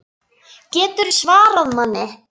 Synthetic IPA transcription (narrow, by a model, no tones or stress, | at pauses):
cɛːt̪ʏɾsvaːɾaðmanːɪ